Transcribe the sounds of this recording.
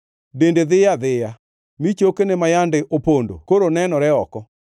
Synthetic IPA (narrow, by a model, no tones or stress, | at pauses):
dendeðejaðeja | mit͡ʃokenemajandeʔopondo̰koɾonɛnɔɾɛɔkɔ